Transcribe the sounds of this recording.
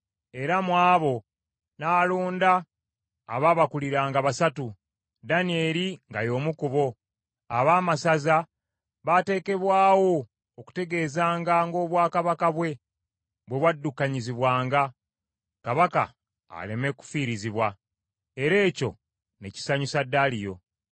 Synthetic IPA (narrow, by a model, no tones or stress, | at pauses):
e̞ɾamwaːβo̞ | naːloːnda̰ː | βaβakuliɾaːŋɡaβasatu | danie̞ɾiŋɡajo̞ːmukuβo̞ | aβaːmasaza | βate̞ːke̞βwaːwo̞ | oku̥te̞ɡe̞ːzaːŋɡaŋɡo̞ːβwaːkaβakaβwe̞ | βwe̞βwadːukːaɲiziβwaːŋɡa | kaβaka̰ː | le̞me̞ku̥fiːɾiziβwa | e̞ɾe̞ːco̞̰ | ne̞ci̥saɲusadːalijo̞̰